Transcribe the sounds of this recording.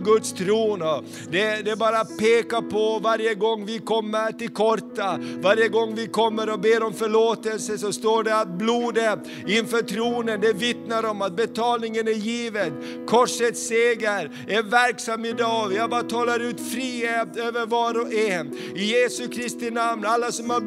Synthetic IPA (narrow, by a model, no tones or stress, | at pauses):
ɡɵt̪st̪ʰɾuːnɔ | d̪ɛd̪ɛbɑːɾapʰeːkapʰɔvaɾjəɡɔŋːvɪkʰɔmːəɾʈɪlkʰɔʈavaɾjəɡɔŋːvɪkʰɔmːəɾɔbeːɾɔmfœɭoːt̪əlsəsɔst̪oːɖɛat̪̚bluːd̪ə | ɪnfœɾʈʰɾuːnənd̪ɛvɪt̪naɾɔmat̪̚bɛt̪ʰɑːlnɪŋənæɾjiːvən | kʰɔʂət̪seːɡəɾ | æɾvæɾksamːɪd̪ɑːvjabɑːɾt̪ʰɑːlaɾʉ̟ːt̪fɾiːhet̪øːvəɾvɑɾɔɛ | ɪjeːsɵkʰɾɪst̪ɪnamnalːasɔmha